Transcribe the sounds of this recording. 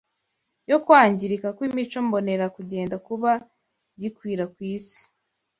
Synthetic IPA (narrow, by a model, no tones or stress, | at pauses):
jo̞kwaːɲɟiɾikakwimit͡ʃombo̞ne̞ɾakuɟe̞ːndakuβa | ɟikwiːɾakwiːsi̥